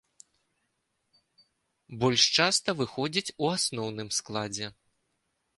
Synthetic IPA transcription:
bɔlʲʂt͡ʂast̪ɐvɨxɔd͡zʲit͡sʲuasnɔwnɨmsklˠad͡zʲɛ

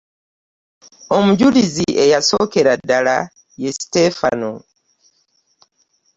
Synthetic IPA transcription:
o̞muɟuliziʔe̞jaso̞ke̞ɾadːala | je̞si̥te̞fa̰no

